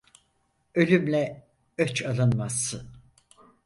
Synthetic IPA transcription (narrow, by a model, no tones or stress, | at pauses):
ø̞lʲymlʲɛ | øt͡ʃʰalˠɯnmasːɯn